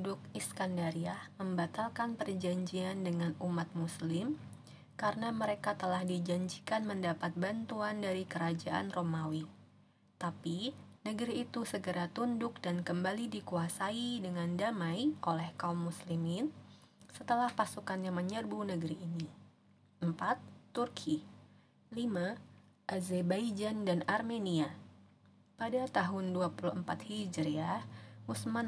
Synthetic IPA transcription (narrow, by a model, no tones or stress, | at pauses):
dʊk̚iskandaɾiahməmbat̪alkanpərd͡ʒaɲd͡ʒiandəŋanumat̪̚muslɪm | kaɾənaməɾekat̪əlahdid͡ʒaɲd͡ʒikanməndapat̪̚bant̪uandaɾikəɾad͡ʒaʔa̰nromawi | t̪apinəɡəɾiːt̪usəɡəɾat̪undʊk̚dankəmbalidikuasaidəŋandamajʔolɛhkaumːuslimɪnsət̪əlahpasukanjaməɲərbunəɡəɾiʔːni | ʔəmpat̪ːurkʰi | lima | ʔazɛbajd͡ʒandanarmenia | padat̪aɦʊnduapuluhəmpat̪hid͡ʒɾiamusman